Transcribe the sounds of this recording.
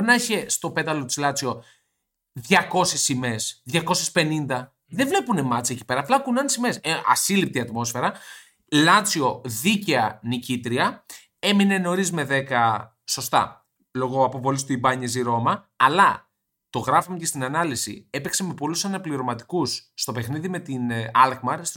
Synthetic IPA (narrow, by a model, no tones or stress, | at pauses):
nɐeçe̞st̪o̞pe̞t̪ɐlo̞t̪i̥zlɐt͡sio̞ | ðʝɐko̞sesime̞sðʝɐko̞sespe̞nind̪ɐ | ðevle̞pune̞mɐt͡sɐeci̥pe̞ɾɐːplɐkunɐnsimesɐ̰silip̚t̪iɐt̪mo̞sfe̞ɾɐ | lɐt͡sio̞ðice̞ɐnicit̪ɾiɐ | e̞mine̞no̞ɾizme̞ðe̞kɐ | so̞st̪ɐ̰ | lo̞ɣoɐpo̞vo̞list̪uibɐɲeziɾo̞mɐː | lɐ | t̪o̞ɣɾɐfomecest̪inɐnɐlisḭe̞pekseme̞po̞lusɐnɐpliɾo̞mɐt̪i̥kusːt̪o̞pexniðime̞t̪inɐlkmɐɾs